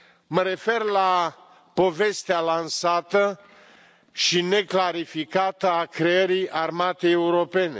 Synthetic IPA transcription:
məɾe̞fe̞rla | po̞ve̞st̪ealansat̪ə | ʃine̞klaɾifikat̪əakɾeeɾiʔarmat̪e̞euɾo̞pe̞ne̞̰

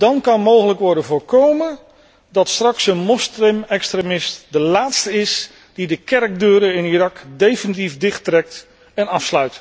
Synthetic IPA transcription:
dɑnkɑnmowɣələkʋɔɹdənvʊːɹkowmə | dɑtstrɑksənmɔstrɪmɛkstremɪstdəlaːtstəɪs | d̥idəkɛrk̚døːɾəɪnirɑkdejfənit̬ifdɪχtrɛk̚t | ɛnɑfslœɥt

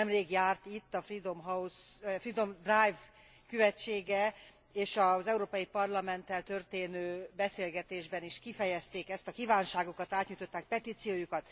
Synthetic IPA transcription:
ɛmreːɡjaːrt̪it̪ːɒfrid̪omɦɒusfrid̪o̞md̪rajv | kyvɛt͡ʃːeːɡɛ | eːʃɒzɛuɾoːpɒjipɒrlɒmɛnt̪ːɛlt̪ø̞rt̪eːnøːbɛseːlɡɛt̪eːʒbɛniʃkifɛjɛst̪eːkɛst̪ɒkivaːnʃaːɡokɒt̪aːt̪ɲujt̪o̞t̪ːaːk̚pɛt̪iːt̪sijoːjukɒt̪

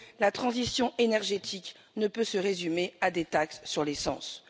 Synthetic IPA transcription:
lat̪χɑ̃zisjɔ̃ʔenɛʁʒet̪ʰik | nəpøsəʁezymead̪et̪aksːyʁlesɑ̰̃s

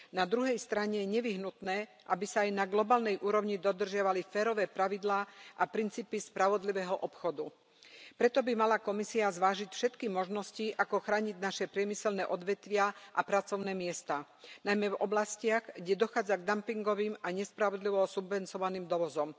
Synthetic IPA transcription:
nad̪ɾuɦɛjst̪ɾaɲɛjɛɲɛʋiɦnut̪nɛː | ʔabisaːjnaɡlɔbaːlnɛjʔuːɾɔʋɲid̪ɔd̪r̩ʒɪaʋalifɛːɾɔʋɛːpɾaʋid̪laːʔapɾint͡siːpispɾaʋɔd̪liʋɛɦɔʔɔpxɔd̪u | pɾɛt̪ɔbimalakɔmisiazʋaːʒicfʃɛt̪kimɔʒnɔsciʔakɔxɾaːɲiɟnaʃɛpɾɪɛmisɛlnɛːʔɔd̪ʋɛt̪ʋɪaʔapɾat͡sɔʊnɛːmɪɛst̪aː | najmɛvɔblascɪaɣɡɟɛd̪ɔxaːd͡zaɡd̪ampiŋɡɔʋiːmaɲɛspɾaʋɔd̪liʋɔsubʋɛnt͡sɔʋaniːmd̪ɔʋɔzɔm

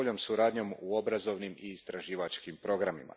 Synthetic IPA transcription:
ʎo̞ːmsuɾaːd̪ɲo̞muo̞bɾazo̞ʋnimiːst̪ɾaʒiːʋat͡ʃkimpɾo̞ɡɾamḭma̰

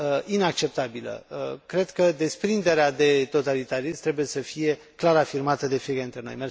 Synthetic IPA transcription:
inak̚t͡ʃe̞p̚t̪abilə̰kɾe̞d̪kəd̪e̞spɾind̪e̞ɾead̪e̞t̪o̞t̪alit̪aɾismt̪ɾe̞buje̞səfije̞ | klaɾafirmat̪əd̪e̞fiekad̪int̪ɾeno̞̰jme

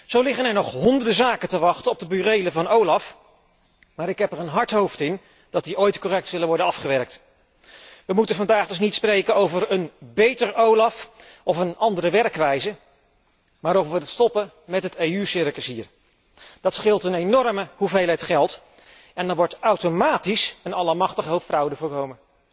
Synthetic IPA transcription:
z̥owlɪχənɛɹnɔχɦɔndəɹdəzaːkətəʋɑχtənɔb̚dəbyrejləvɑnowlɑf | maːɾɪkɦɛpəɹənɦɑɹtɦowftɪn | d̥ɑt̚diʔojtkorɛk̚tsɵlənʋɔɹdənɑfχəʋɛɹk̚t | ʋəmutənvɑndaːχdɵs̬nitsprejkənowvəɹənbejtəɹowlɑf | ɔfənɑndəɾəʋɛɹkʋɛjzə | maːɾowvəʋəətstɔpə | mɛtɦətejysɪɹkəsɦiːɹ | d̥ɑtsχɪlˠtənejnɔɹməhuvejlˠɦətχɛlˠt | ɛndɑnʋɔɹtawtomaːtisənɑləmɑχtəχəɦowpfrʌwdəvʊːɹkowmən

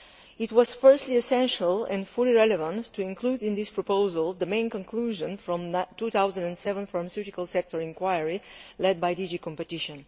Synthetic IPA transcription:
itwɔz̥fɜ˞stliɛsɛ̃nʃəlɛ̰̃nfuliɹɛlɛvãntʰːuɪ̃ŋkludɪ̃nd̪ispɹɔpoʊzəlˠd̪əmẽɪ̃nkɔ̃ŋkluʒə̃nfɹɔ̃mtut̪awzə̃ndɛ̃nsɛvə̃nfaɹmasjutikalˠsɛk̚tɔɹɪ̃ŋkwajəɹilɛd̪̚bajdid͡ʒikɔ̃mpɛt̪iʃɔ̃n

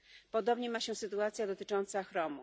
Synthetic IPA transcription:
pɔd̪ɔbɲɛmaɕɛsɘt̪uat̪sʲjad̪ɔt̪ɘt͡ʂɔnt̪saxɾɔmṵ

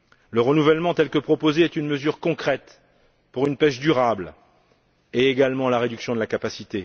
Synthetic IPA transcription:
ləʁənuvɛlmɑ̃t̪ɛlkəpχɔpozeɛt̪ynməzyʁkɔ̃kχɛt̪ | puʁynpɛʃd̪yʁabl | eːɡalmɑ̃laʁed̪yksjɔ̃d̪əlakapasit̪e

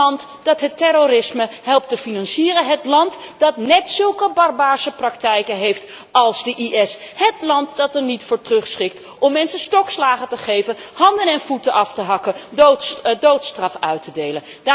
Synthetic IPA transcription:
ntd̥ɑtɦətɛroɾɪsməhɛlˠp̚təfinɑnsiːɾənɦətlɑntd̥ɑtnɛtsɵlˠkəbɑrbaːɹsəprɑktɛjkənɦejft | ɑlˠzdəʔiʔɛshətlɑntdɑtɛɹnitfʊːɹtrɵχsχɪk̚t | ʔɔmːɛnsənstɔkslaːχətəχejvənhɑndənɛnvutəʔɑftəɦɑkənotdowtstrɑfœɥtədejlənda

